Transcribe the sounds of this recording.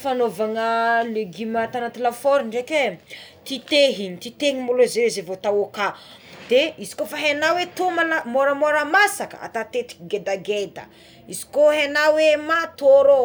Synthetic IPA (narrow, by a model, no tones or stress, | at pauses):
fanovaŋəleɡimat̪anat̪ilafoɾiɳɖ͡ʐeket̪it̪eɦinit̪it̪eŋimolozezevot̪awoka | d̪̥eizi̥kofaɦenawet̪omalamoɾəmoɾəmasakə̰a̰t̪at̪et̪i̥ɡed̪aɡed̪ə̰ | izi̥koɦenawemat̪oɾo